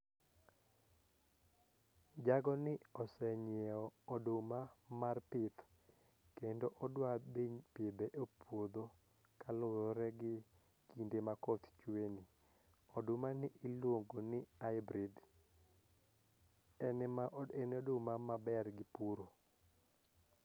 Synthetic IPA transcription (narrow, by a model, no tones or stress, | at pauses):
d͡ʒaɡɔnɪɔsɛɲɛɔːdʊmamarpɪt̪ | kendoʔɔdwabiɲpebeʔopwod̪o | kalʊɾɔɾɛɡɪ | kindemakɔt̪t͡ʃweni | ɔdʊmanɪʔilwoŋɡonɪajbɾid | ɛnɛmaʔɔenodʊmamabɛrɡɪpuɾo